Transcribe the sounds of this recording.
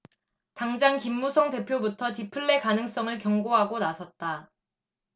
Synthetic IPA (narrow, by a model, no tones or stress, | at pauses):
taŋd͡ʑankimːusʰʌŋte̞pʰjobutʰʌtipʰɯɭːe̞kanɯŋs͈ʌŋɯɭkjʌŋɡoɦaɡonasʰʌt̚t͈a